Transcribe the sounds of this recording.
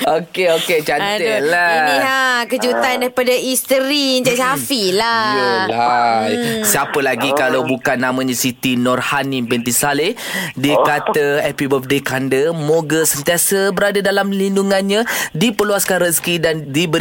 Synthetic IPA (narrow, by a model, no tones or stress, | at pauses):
okeoket͡ʃataiakəd͡ʒut̪aandaɾipadaist̪əɾiɲd͡ʒaʔsafilajla | siapəlaɡikalawbukanːãmãɲãsit̪inɔrhanĩmbɛnt̪isale | dikat̪aɛpibəf̚dekandəmoɡəsənt̪iasəbəɾadadalamlinduŋãnɲãdipəluasə̥kaɾaŋskidandibə